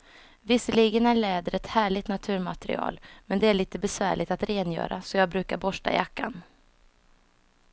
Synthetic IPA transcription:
vɪsːəliːɡənæɭɛːd̪əɾɛt̪hæːɭɪt̪nat̪ʰʉ̟ːɾmat̪ɛɾɪ̰ɑ̰ːlmɛnd̪ɛæɭiːt̪əbɛsvæ̰ːɭɪɡt̪at̪ɾeːnjœ̰ːɾa̰sɔjɑːɡbɾʉ̟ːkaɾbɔʂʈa̰jakːa̰n

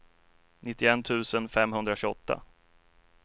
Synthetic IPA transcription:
nɪt̪ːɪɛnt̪ʰʉ̟ːsənfɛmɦɵnd̪ɾaɕɵɔt̪ːa̰

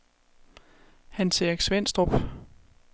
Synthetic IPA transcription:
hænsʰeɡ̥sʋen̰sd̥ʁob̥

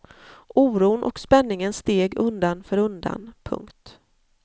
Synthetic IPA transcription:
ʔuːɾuːnʔɔ̰kspɛnːɪŋənst̪eːɡɵnd̪anfœɾɵnd̪a̰npʰɵ̰ŋkt̪

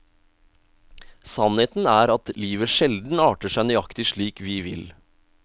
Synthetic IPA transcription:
sɑnheːt̪n̩æːɾɑt̪liːʋəʂɛld̪n̩ɑːʈəʂæɪnʏɑkt̪ɪʂɭiːkʋɪːʋɪ̰l

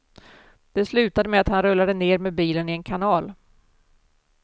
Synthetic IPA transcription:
d̪̥ɛslʉ̟ːt̪ad̪əmɛat̪hanɾɵlːad̪əneːɾmɛbiːlənɪɛnkʰanɑːl

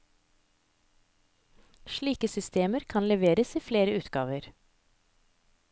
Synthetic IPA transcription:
ʃɭiːkəsʏst̪eːməɾkʰɑnlɛʋeːɾəsiːfleːɾəʉːt̪ɡɑ̰ːʋəɾ

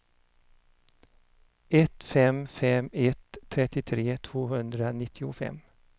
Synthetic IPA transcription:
ɛt̪fɛmfɛmɛt̪ʰːɾɛt̪ːɪt̪ʰɾeːt̪ʰv̥oːɦɵnd̪ɾanɪt̪ʰːɪʊfɛ̰m

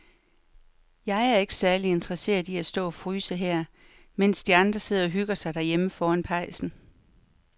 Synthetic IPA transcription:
jɑ̈ɪæɐe̝ɡ̥ə̥sæɐlie̝nd̥ʁɐse̝̰ːɐðˠiæsd̥ɔ̰̽ːɒfʁyːsəɦeɐ̰ | men̰sd̥iɑ̈nd̥ʁɐse̝ð̰ˠɐɒ̽ɦyɡ̥ɐsɑ̈ɪd̥æɐjeməfɒːænpʰɑ̈ɪ̰sn̩

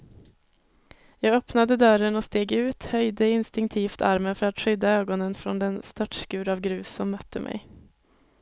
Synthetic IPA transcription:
jɑːɡœpnad̪əd̪œɾənɔst̪eːɡʉ̟ːt̪hœjd̪əɪnst̪ɪŋkt̪ʰiːft̪ʰa̰ɾmənfœɾat̪ɧʏd̪ːaøːɡɔnənfɾɔ̰nd̪ɛnst̪œʈʂkʉ̟ːɾavɡɾʉ̟ːsːɔmːœt̪ʰːəmʔɛ̰j

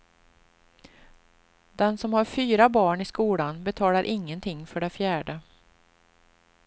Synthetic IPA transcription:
d̪̥ɛnsɔmhaɾfyːɾabɑːɳɪskuːlanbɛt̪ʰɑːlaɾʔɪŋːənt̪ʰɪŋːfœɖɛfjæːɖə

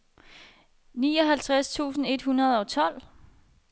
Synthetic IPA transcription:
nḭːɒ̽ɦælt͡sʰʁast͡sʰṵːsn̩e̝d̥hunɐð̞ˠɒ̽t͡sʰɒ̽l̰

